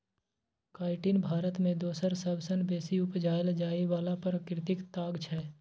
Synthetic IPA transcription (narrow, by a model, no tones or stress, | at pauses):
kaːɪʈinbʱaːɾət̪mẽd̪oːsəɾsəbsənbeːsiʊpd͡ʒaːjld͡ʒaːiʋaːlapəɾəkɾɪt̪ɪkt̪aːɡt͡ʃʰɛː